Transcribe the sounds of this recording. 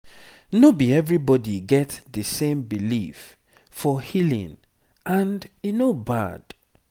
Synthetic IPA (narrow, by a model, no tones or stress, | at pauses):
nobiɛvɹibɔdiɡɛtðəsẽmbilif | fɔhilḭ̃n | ʔãndinoba̰d̥